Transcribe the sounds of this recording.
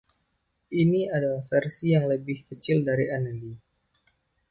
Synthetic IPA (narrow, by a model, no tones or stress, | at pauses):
ʔiniadalahfɛrsijaŋləbɪhkət͡ʃɪldaɾiʔanadi